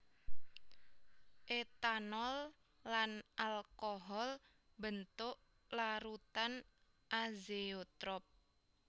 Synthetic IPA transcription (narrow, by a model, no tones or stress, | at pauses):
ʔet̪anɔlː | anʔalkoɦɔl | bənt̪ʊʔ | laɾut̪an | ʔazeot̪ɾɔp̚